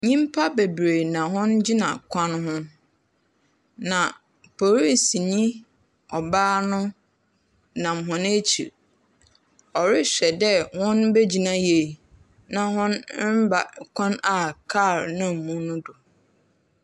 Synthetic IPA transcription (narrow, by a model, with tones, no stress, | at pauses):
ɲĩ˦mpʰa˦be˨bɾe˨nã˨ɦʊ̃˦nd͡ʑi˦nã̰˨kʷʰã˦nɦʊ̃˦ | nã˨ | pʰo˨ɾi˦si˨ɲĩ˦ | ɔ˨baː˦nʊ̃˦ | nã˨mɦʊ̃˦˨ne˦t͡ɕʰḭ˨ɾ | ɔ˨ɾɪ˦ɕᶣɛ˨dɛ˦hʊ̃˦nbe˦d͡ʑi˨nã˦je˨ | nã˨ɦʊ̃˦n˦m̩˦ba̰˨kʷʰã˦na˨kʰa˦˨ɾnã˦m̩˨mũ˦nʊ̃˦dʊ˨